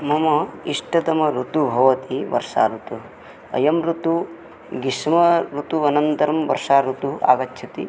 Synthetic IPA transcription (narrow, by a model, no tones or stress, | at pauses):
mɐmɐiʂʈɐd̪ɐmɐɾut̪ubʱɐʋɐt̪iʋɐ̰ɾʂa̰ːɾut̪u | ɐ̰jɐmɾut̪u | ɡiʂmɐɾut̪uɐnɐnt̪ɐɾɐmʋɐ̰ɾʂaːɾut̪uʔa̰ːɡɐtːt͡ʃʰɐt̪i